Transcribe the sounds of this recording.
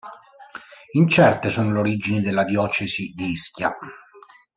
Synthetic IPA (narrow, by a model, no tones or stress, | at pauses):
int͡ʃɛrt̪esuːnoloɾid͡ʒinid̪elːad̪jɔːt͡ʃesid̪iiskʲja̰